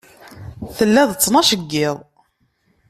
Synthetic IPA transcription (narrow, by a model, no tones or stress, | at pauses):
θəlːæðət͡sːnɑʃəɡːɪðˤ